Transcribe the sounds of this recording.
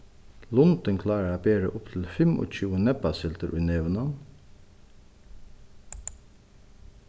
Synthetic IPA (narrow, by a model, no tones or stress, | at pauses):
lʊnt̪əŋkʰlɑːɹəɾɑbeːɾə̰ʔʊpt̪ʰɪl̩fɛmʔo̰ːc͡çʉːənɛpɑsɪlt̪əɾʔiːnɛʋnɑn